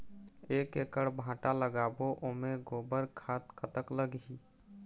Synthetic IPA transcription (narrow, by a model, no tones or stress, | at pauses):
eːkekəɽbʱãːʈaləɡaːboʔomeɡoːbəɾkʰaːt̪kʰət̪əkləɡi